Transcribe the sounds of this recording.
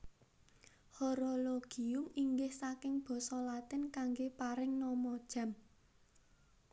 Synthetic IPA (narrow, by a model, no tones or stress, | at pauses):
hɔɾoloɡ̥iʊmiŋɡɪhsakɪŋb̥ɔ̤sɔlat̪ɪnkaŋɡepaɾɪŋnɔmɔd̥ʒ̥ä̤m